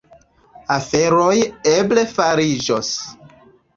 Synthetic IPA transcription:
afe̞ɾojeble̞faɾid͡ʒos

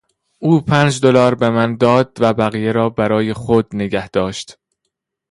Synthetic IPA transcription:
ʔuːpʰænd͡ʒd̪olɒːɾbemænd̪ɒːd̪̥̚væbæɣijeɾɒːbæɾɒːje̞xod̪̚neɡæhd̪̥ɒːʃt̪

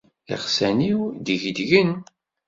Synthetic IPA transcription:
ɪ̰ʁsæniwd̪əʝd̪ʝən

